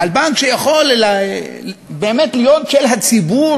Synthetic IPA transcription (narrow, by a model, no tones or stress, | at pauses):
albaŋkʃejaχo̞l | beːmet̪lijotʃelɦat͡sibu